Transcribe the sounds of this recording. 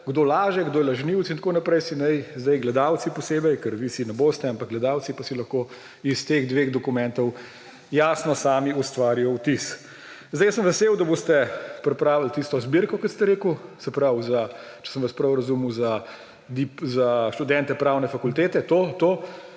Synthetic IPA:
ɡd̪oːlaːʒɛɡd̪oːjɛlɐʒniw̪sint̪akonapɾɛjsinɛjzd̪ɐjɡlɛd̪awt̪sipɔseːbɛjkəɾʋisinɛboːst̪ɛampak̚ɡlɛd̪aːwt̪t͡ssipasilɐxko | ist̪eɣd̪ʋeːɣd̪ɔkumɛnt̪ɔw | jaːsnɔsaːmiust̪ʋaːɾijɔwt̪is | zd̪ɛjsəmʋɛsewd̪ɐboːst̪ɛpɾɛpɾaːʋlt̪ist̪ɔzbiɾkɔkɔt̪st̪ɛɾeːkusɛpɾawzat͡ʃɛ̥səmʋaspɾawɾɐzumuza | d̪ipzaʃt̪ud̪ɛnt̪ɛpɾaːwnɛfakult̪eːt̪ɛt̪ot̪o

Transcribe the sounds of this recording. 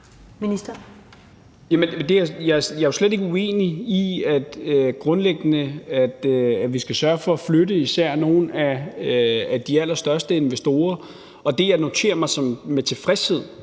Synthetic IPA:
minisd̥ɐ | jæmənd̥e̝æjɑ̈jɑ̈æsled̥e̝ɡ̥əue̝̰ːniiæd̥ɡ̥ʁɔ̽nleɡ̥ənəæd̥æʋisɡ̥æsɶɐfɒ̽æfløɾəisæɐ̰no̝ːn̩æ | æd̥iæl̰ɐsd̥ɶɐsd̥əe̝nʋesd̥o̝̰ːɐ | ɒ̽d̥e̝jɑ̈ɪno̝t͡sʰe̝̰ːɐmɑ̈ɪsɒ̽mmet͡sʰe̝fʁɛshe̝ð̰ˠ

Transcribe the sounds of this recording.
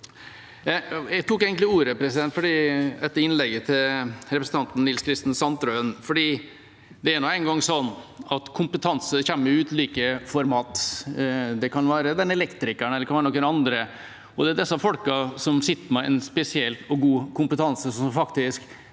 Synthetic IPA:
jɛɡt̪ʰuːkeːɡənt̪ɪuːɾəpɾɛsɪd̪ɛnt̪fɔɖiːd̪ɛt̪ːəɪnlɛɡːət̪ʰɪlɾɛpɾəsn̩ʰɑnt̪n̩nːɪlskʰɾɪst̪n̩sɑnt̪ɾøːənfɔɖiː | d̪ɛæɾnoːæɪnɡɑŋːsɔnːɑt̪kʰʊmpət̪ʰɑnsəçɛmːəjʉːt̪liːkəfɔɾmɑːt̪ | d̪ɛkɑnʋæːɾəd̪ɛnɛlɛkt̪ɾɪkæɳɛlːəkɑnʋæɾənɔkːənɑnd̪ɾə | ɔd̪ɛæd̪ɛsːɑfɔlkəsɔmsɪt̪ːəmɛʔɛ̰nspɛsɪɛlt̪ɔɡuːkʰʊmpət̪ʰɑnsəsɔɔmfɑkt̪ɪsk

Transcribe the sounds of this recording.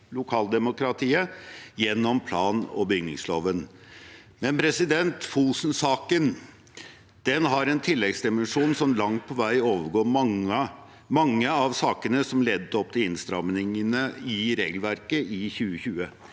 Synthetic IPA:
lʊkʰɑːld̪ɛmʊkɾɑt̪ʰiːəjɛnːɔmpʰlɑːnɔ̰bəʏɡnɪŋsloːʋən | mɛnpʰɾɛsɪd̪ɛnt̪fuːsn̩sɑːkən | d̪̥ɛnɦɑɾɛnt̪ʰɪlːɛɡsd̪ɪmɛnʂuːnsɔmlɑŋt̪̚pʰɔʋæɪoːʋəɾɡoːmɑŋə | mɑŋːəɑʋsɑːkənəsɔmlɛd̪ːət̪ɔp̚ːt̪ɪlɪnst̪ɾɑmnɪŋənəɪɾeːɡəlʋæɾkəʔɪçʉːəçʉːə

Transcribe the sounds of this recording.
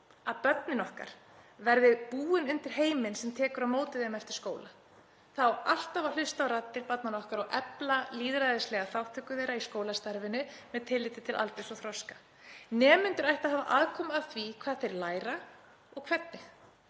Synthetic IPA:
aðpœt̪̚nɪnɔhka̰ɾ̥ | vɛɾðɪpuːɪnʏnt̪ɪɾ̥ɦeːjmɪnsɛmt̪ʰɛːkʏɾaðmoːwt̪ɪðɪmɛft̪ɪɾ̥skoːwla | θawal̥t̪aval̥ʏst̪awɾat̪ːɪɾpat̪̚nanɔhkaɾɔɣʔɛplaliːðɾaðɪslɛɣaθawht̪ʰʏkʏðeːjɾaiskoːwlast̪aɾvɪnʏ | mɛðt̪ʰɪlːɪːt̪ɪt̪ʰɪlʔa̰lt̪ɪsɔθɾɔskḁ | nɛːmʏnt̪ʏɾajht̪aðɦaːva̰ʔaːðkʰɔːmaðθvikʰv̥aːðθejɾlaːjɾa | ɔɣkʰvɛt̪̚nɪ

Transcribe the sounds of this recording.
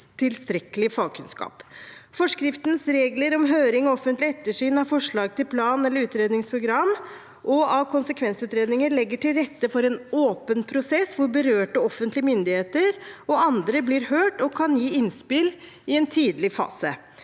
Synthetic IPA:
t̪ʰɪlst̪ɾɛkəlɪfɑːɡ̚kʰʉnskɑ̰ːpfɔʂkɾɪft̪nsɾeːɡləɾɔmɦøːɾɪŋɔɔfːənt̪lɪɛt̪ːəʂyːnɑfɔʂɭɑːɡ̚t̪ʰɪlpʰlɑːnɛlːəɾʉːt̪ɾeːd̪nɪŋspʰɾʊɡɾɑmː | ʔɔɑʋkʰʊnsəkʰʋɛnsʉːt̪ɾeːd̪nɪŋəɭɛɡːəʈʰɪlɾɛt̪ːəfɔɾɛnoːpənpʰɾʊsɛsʋʊɾbəɾøːʈəɔfːənt̪lɪəmʏnd̪ɪheːt̪əɾɔɑnd̪ɾəblɪɾhøːʈɔkʰɑnjiːɪnspɪl | ɪɛnt̪ʰiːd̪lɪfɑ̰ːsə̰

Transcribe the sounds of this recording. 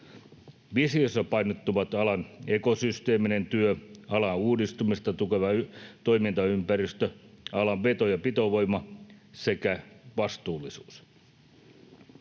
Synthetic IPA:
ʋisiosːɑpɑjnot̪ːuʋɑt̪ɑlɑne̞ko̞syst̪e̞ːminent̪yøɑlɑuːdist̪umist̪ɑt̪ukeʋɑt̪o̞jmint̪ɑympærist̪øɑlɑʋʋe̞t̪ojɑpit̪oʋo̞jmɑsekæʋɑst̪uːlːˑisuːs

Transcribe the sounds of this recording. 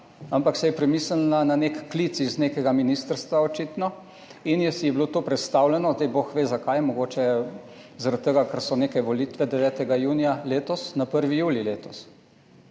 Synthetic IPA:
ampaksɛjɛpɾɛmislnananekːlit̪sizneːkɛɡaminist̪əɾst̪ʋaɔt͡ʃit̪nɔ | injɛsijɛblot̪oːpɾɛt̪st̪awlɛnɔzd̪ajboxʋeːzakajmɔɡoːt͡ʃɛ | zaɾat̪t̪ːəɡakaɾsɔneːkɛʋɔlit̪ʋɛd̪ɛʋɛːt̪ɛɡajuːnijaleːt̪ɔsnapəɾʋijuːlileːt̪ɔs

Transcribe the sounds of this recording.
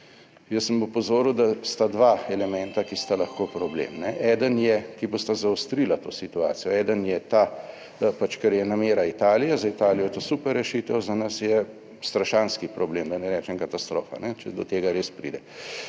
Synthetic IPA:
jəsːəmupɔzoːɾuwd̪ast̪ad̪ʋaɛlɛmɛnt̪akist̪alɐxkoːpɾɔblḛːmnɛʔɛd̪ənjɛkibost̪azaost̪ɾilat̪oːsit̪ua̰ːt̪sijɔɛːd̪ənjɛt̪a | pat͡ʃkɛɾjɛnameːɾait̪aːlijɛzɐit̪aːlijɔjɛt̪osupɛɾːɛʃit̪əwzanasjɛ | st̪ɾaʃanskipɾɔbleːmd̪ɐnɛɾɛːt͡ʃɛmkat̪ast̪ɾo̰ːfa̰nɛt͡ʃɛd̪ɔt̪eːɡaɾeːspɾḭd̪ɛ

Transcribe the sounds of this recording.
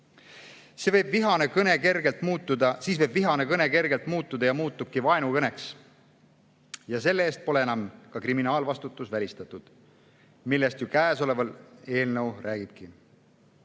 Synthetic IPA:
se̞vɤ̞jbviɦɑnekɤne̞ke̞rɡe̞lt̪ˑmuːt̪ˑːud̪ɑsiːsvɤ̞jbviɦɑnekɤne̞ke̞rɡe̞lt̪muːt̪ːˑud̪ɑjɑmuːt̪ːˑub̥̚kivɑe̞nukɤne̞ks | jɑse̞lːee̞ːst̪̚po̞le̞enɑmkɑkriminɑːlvɑst̪ut̪ːˑusvælʲist̪ɑt̪ːˑud̪̥ | milːe̞st̪jukæːso̞le̞vɑle̞ːlnəwrʔæːɡ̥ib̥ki

